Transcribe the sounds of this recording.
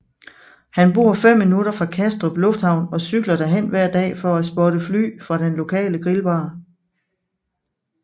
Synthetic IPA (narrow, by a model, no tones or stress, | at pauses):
hænb̥o̝ːɐ̰fem̰ːinuɾ̥ɐfʁɑ̈kʰæsd̥ʁɔb̥lɔ̽fd̥hɑ̈ʊ̰nɒ̽syɡ̥lɐd̥æɐɦen̰ʋæɐ̰d̥ɛ̰ːfɒ̽æsb̥ɒɾəfly̰ːfʁɑ̈ɾ̥enlo̝kʰɛ̰ːləɡ̥ʁilʋɑ̈ː